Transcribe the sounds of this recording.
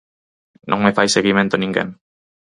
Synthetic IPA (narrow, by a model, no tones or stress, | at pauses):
nʔoŋmefajseɣimẽ̞nt̪oniŋɡḛn